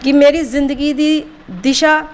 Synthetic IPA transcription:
kɪmeːɾiːzɪ̃nd̪əɡiːd̪iː | d̪ɪʃaː

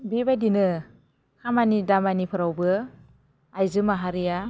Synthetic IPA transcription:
bibajdinɯ | kʰamanidamanipʰɯɾawbɯ | ajzɯmaɦaɾija

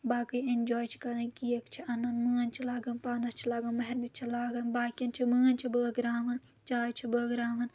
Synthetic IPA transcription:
baːkɨjind͡ʒoːjt͡ʃʰi̥kɐɾnɐkijɐkt͡ʃʰiɐnɐnməːnt͡ʃʰilaːɡɐnpaːnɐst͡ʃʰilaːɡɐnmɐɦiɾnit͡ʃʰilaːɡɐnbaːkjɐnt͡ʃʰiməːnt͡ʃʰibəːɡɾaːmɐn | t͡ʃaːjt͡ʃʰibəːɡɾaːmɐn

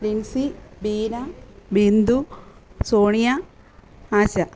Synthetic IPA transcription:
ɾinsibiːnɐbind̪usoːɳijɐ | aːɕɐ

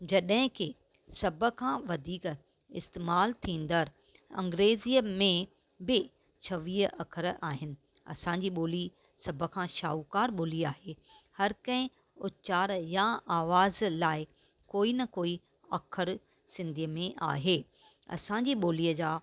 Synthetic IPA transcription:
d͡ʑɐɗɦɪ̃kʰeː | sɐbʱə̆kʰãːʋɐd̪ʱiːk | ɪst̪eːmaːlt̪ʰĩːn̆d̪əɾ | ɐ̰̃ŋɡɾeːziːəmẽ | bɪ | t͡ɕʰɐʋiːɦɐ̰kʰəɾaːɦɪnɪ̆ | ɐ̰sãɲd͡ʑiɓoːli | sɐbʱə̆kʰãʃa̰ːukaːɾɓoːliaːɦehɐɾkɐ̃ɦɪ̃ | ʊtt͡ɕaːɾjãaːʋaːzlaːɪ | koːinɐkoːi | ɐkʰəɾ | sɪ̃nd̪ʱiəmẽʔa̰ːɦeː | ɐ̰sãːɲd͡ʑiɓoːliːəd͡ʑaː

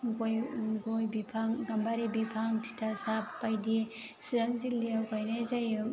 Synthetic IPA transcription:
ɡojɡojbipʰaŋɡambaɾibipʰaŋtʰi̥tʰasapːajdi | siɾaŋzileawkajnajzajɯ

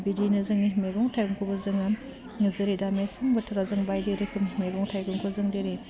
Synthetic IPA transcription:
bidinɯzɯŋimeɡɔŋtʰajɡuŋkʰɔbɯzɯŋam | ŋɯzɯɾidamesaŋbɯtʰɯɾazɯŋbajdeɾɯkʰɯmmeɡɔŋtʰajɡuŋkʰɯzɯŋdeɾi

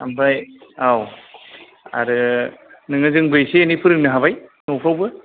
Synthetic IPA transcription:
a̰mpʰɾajaw | a̰ɾɯnɯŋɯzɯŋbɯjseenipʰɯɾɯŋnɯɦaβajnokʰawbɯ

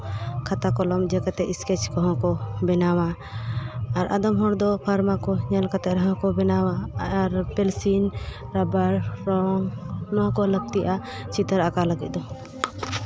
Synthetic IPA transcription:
kʰat̪akɔlɔmd͡ʒɛkɛt̪ɛʔiskɛt͡ʃkɔɦɔ̃kɔbɛnawaː | ɾʔa̰d̪ɔmɦɔɾd̪ɔpʰaɾmakɔɲalkat̪ɛɾaɦãkɔbɛnawaːɾpɛlsinɾabaɾːɔŋnɔ̃kɔləɡ̚t̪iʔa | t͡ʃit̪əɾakaləɡɛt̪̚ˀd̪ɔ

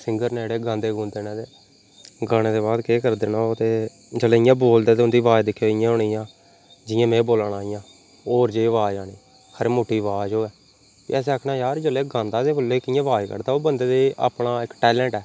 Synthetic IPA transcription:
sɪ̃ŋɡəɾneːɽeːɡãːnd̪eːɡũːnd̪eːnãːt̪eː | ɡaːɽ̃eːd̪eːbaːd̪keːkəɾd̪eːnaːot̪eː | d͡ʒəleːɪjãːboːld̪eːt̪eʊnd̪iːʋaːed̪ɪkʰːjoːɪjãːɦoːɽiːjãː | d͡ʒɪjãːmɛ̃ːboːlɳaːɪjãː | oːɾd͡ʒeːʋaːd͡ʒaːɽiː | kʰəɾmoːʈːiːʋaːd͡ʒoːɛː | pḭɛːs̬eːəːkʰnaːjaːɾd͡ʒəleːɡãːnd̪aːd̪eːbolːeːkɪjãːʋaːekə̰ɾd̪aːoːbənd̪eːd̪eːʔa̰ːpɽaːɪkʈɛːlɛ̃ːɳʈɛː

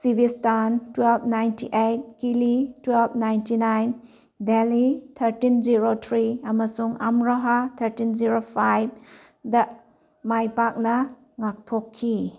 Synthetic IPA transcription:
sibistantwelbnajntiʔejt̚kilitwelb̚najntinajn | delitʰɐɾtind͡ʒiɾotʰɾiɐmɐsuŋa̰mɾɐɦat̪ʰɐɾtind͡ʒiɾopʰajb̚ | dɐ | majpak̚nɐ | ŋak̚tʰokʰːi

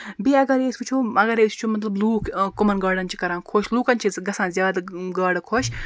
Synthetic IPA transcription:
biɐɡɐɾeːsʲput͡ʃʰoːɐɡɐɾeːsʲpt͡ʃʰomɐt̪lɐbluːkʰkʊmɐnɡaːɽɐnʲt͡ʃʰi̥kɐɾãːnkʰoʃluːkɐnt͡ʃʰiɡɐsãːzjaːd̪ɡaːɽkʰoʃ

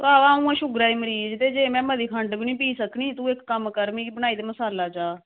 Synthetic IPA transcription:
t̪aːʋaːũːãːʃʊɡɾaːiːməɾiːd͡ʒt̪eːd͡ʒeːmɛ̃ːməd̪iːkʰəɳɖbinĩːpiːsəkniːt̪ũːɪkːəmkəɾmĩːbəɽ̃aːiːd̪eːməsaːlaːd͡ʒaː

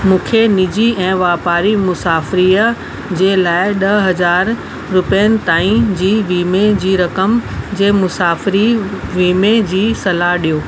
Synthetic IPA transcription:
mũːkʰenɪd͡ʑiɛ̃ːʋaːpaːɾimʊsaːfɪɾiːə | d͡ʑeːlaːɪɗɐɦɐzaːɾ | ɾʊpijənɪ̆t̪aːĩd͡ʑiːʋiːmed͡ʑiːɾɐkəmd͡ʑeːmʊsaːfɪɾiʋiːmed͡ʑiːsɐlaɦɗijoː

